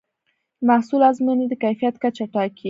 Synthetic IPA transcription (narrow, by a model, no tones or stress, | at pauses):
mahsulazmined̪əkajfijat̪kat͡ʃaʈɑkʰi